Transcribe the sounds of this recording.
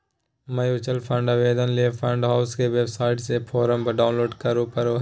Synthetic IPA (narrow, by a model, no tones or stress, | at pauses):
mɐjuːt͡ʃəlpʰə̃ɳɖaʋeːd̪ənliepʰə̃ɳɖɦaːʊskeʋebsaːɪʈsepʰoːɾəmpɐɖaːʊ̃nloːɖkɐɾopɐɾo